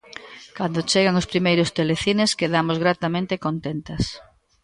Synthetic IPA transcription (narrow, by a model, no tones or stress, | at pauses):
kand̪ot͡ʃeɣaŋʊspɾimejɾʊst̪eleθineskeðamozɣɾat̪amẽnt̪ekont̪ent̪ɐs